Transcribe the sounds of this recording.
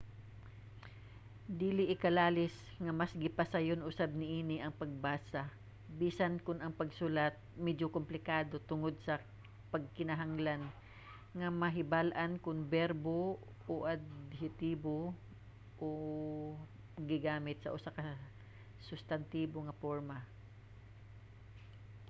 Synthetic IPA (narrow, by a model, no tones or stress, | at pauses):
d̪iːlɪʔɪkɐlaːlɪs | ŋɐmɐsɡɪpɐsajonʔʊsab̚nɪʔiːnɪʔɐŋpɐɡ̚baːsa | biːsɐnkʊnɐŋpɐɡsulat̪̚mɛd͡ʒokʊmplɪkaːd̪o̞t̪ʊŋo̞d̪̚sɐ | pɐɡ̚kɪnɐɦaŋlan | ŋɐmɐɦɪbalʔɐnkʊŋbɛɾbo | oʔɐd̪hɪt̪iːbo | ʔo | ɡɪɡaːmɪt̪̚sɐ̰ʔʊsakɐ | sʊst̪ɐnt̪iːboŋɐpoɹmɐ